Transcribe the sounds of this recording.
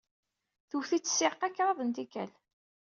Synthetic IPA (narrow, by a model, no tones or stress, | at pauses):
θuθit͡sːə̥sɪqːækːɾˤɑðˤənt̪ikæ̰l